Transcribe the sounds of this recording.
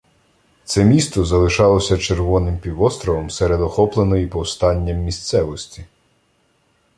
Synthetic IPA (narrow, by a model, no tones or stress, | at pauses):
t̪sɛmʲist̪ɔzɐlˠɪʃɑlˠɔsʲɐt͡ʃerʋɔnɪmpʲiʋɔst̪ɾɔʋɔmseɾed̪ɔxɔplˠenɔjipɔwst̪ɑnʲːɐmːʲist̪sɛʋɔsʲtʲi̥